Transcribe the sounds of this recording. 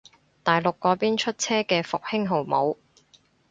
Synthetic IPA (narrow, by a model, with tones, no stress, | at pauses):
t̪aː˨˩jlʊ˨kːɔː˨˥piː˥nt͡ʃʰɵ˥t̚t͡sʰɛː˥kɛː˧fʊ˨k̚hɪ˥ŋɦo˨wmo˨˧w